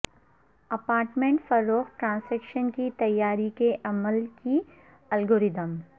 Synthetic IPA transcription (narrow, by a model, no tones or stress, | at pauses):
ɐpaːɾʈmẽɳʈfɐɾːoːxʈɾãːnsɛːkʃənkit̪ɐjːaːɾikeʔɐməlki | ɐlɡoːɾɪd̪əm